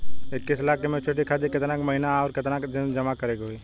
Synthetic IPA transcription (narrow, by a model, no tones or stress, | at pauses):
ɪkːisɪlaːkemet͡ʃeʈikʰad̪ikɪt̪nakmɐɦinaɔːɾkɪt̪nakd͡ʒɪd͡ʒəmakəɾekɦoi